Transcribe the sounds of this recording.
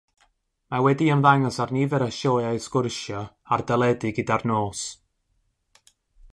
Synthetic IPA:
mawɛdiəmðaŋɔsarnivɛɾəʃoːjaɨsɡ̥ʊrʃɔ | ardəlˠɛdɪɡɪdarnoːs

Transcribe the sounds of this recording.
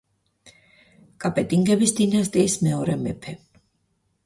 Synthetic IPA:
kʼapʼɛt̪ʼiŋɡɛbisd̪inast̪ʼiːsmɛɔɾɛmɛpʰɛ

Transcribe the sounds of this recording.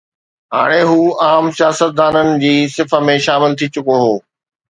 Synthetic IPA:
ɦa̰ːɽ̃eɦuːaːmsijaːsət̪̚d̪aːnənɪ̆d͡ʑiːsɪfə̆mẽʃaːmɪlt̪ʰit͡ɕʊkoɦoː

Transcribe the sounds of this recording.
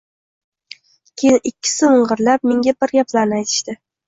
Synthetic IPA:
kʲʰeʔɪkʲʰːɪ̥sɪɨɴʁɨɾlap̚meŋɡʲabɪɾɡʲapʰlaɾnɪajt̪ʰɪ̥ʃt̪ɪ

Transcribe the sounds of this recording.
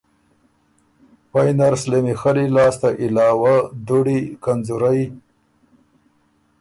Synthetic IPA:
pajnaɾslemixəlilɑːst̪aʔɪlɑːwad̪uɽikanzuɾaj

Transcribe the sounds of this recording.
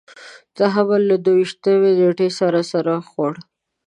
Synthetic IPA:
t͡saɦabalad̪owiʃt̪əweneʈesaɾasaɾaxwaɽ

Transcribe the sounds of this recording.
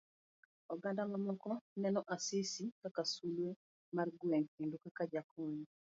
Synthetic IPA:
ɔɡandamamɔkɔnɛnɔʔasɪsikakasulwe | marɡwɛŋkendukakad͡ʒakɔɲ

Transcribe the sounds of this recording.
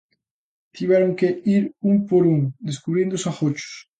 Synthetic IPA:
t̪iβɛɾoŋkeiɾuŋpoɾuŋd̪eskuβɾiẽnd̪ʊsaxot͡ʃʊ̥s

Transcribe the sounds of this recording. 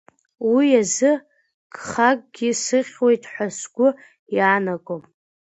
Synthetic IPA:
wiazɨ | ɡ̥χaɡ̚ʼɡʲisɨχʲwe̞jtʰħʷasɡ̥ʷʊ | jaːnakʷʼom

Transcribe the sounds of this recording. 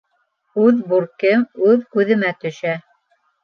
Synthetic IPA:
ʉðbuɾkɘmʉðkʉðɘ̆mæt̪ɵ̆ʃæ

